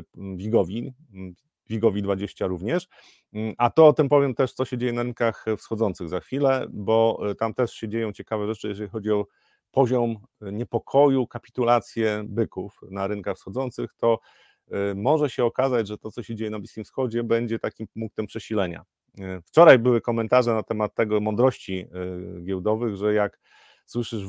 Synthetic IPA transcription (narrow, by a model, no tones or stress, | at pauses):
vʲiɡɔvʲi | vʲiɡɔvʲid̪vad͡ʑeɕt͡ɕaɾuvɲɛʂ | ʔat̪ɔɔt̪ɘmpɔvʲjɛmt̪ɛʂt̪sɔɕɛd͡ʑejɛnaɾɘnkaxfsxɔd̪zɔnt̪sɘɣzaxfʲilɛbɔt̪amt̪ɛʂɕɛd͡ʑejɔ̃w̃t͡ɕɛkavɛʐɛt͡ʂɘjɛʐɛixɔd͡ʑiɔ | pɔʑɔm | ɲɛpɔkʰɔjukapʲi̥t̪ulat̪sʲjɛbɘkufnaɾɘnkaxfsxɔd̪zɔnt̪sɘxt̪ɔ | mɔʐɛɕɛɔkazad͡ʑʐɛt̪ɔt̪sɔɕɛd͡ʑejɛnablʲiskʲimfsxɔd͡ʑɛbɛɲd͡ʑɛt̪akʲimmuŋkt̪ɛmpʂɛɕilɛɲa̰ | ft͡ʂɔɾajbɘwɘkɔmɛnt̪aʐɛnat̪ɛmat̪ːɛɡɔmɔnd̪ɾɔɕt͡ɕiɡʲjɛwd̪ɔvɘɣʐɛjak | swɘʂɘʂ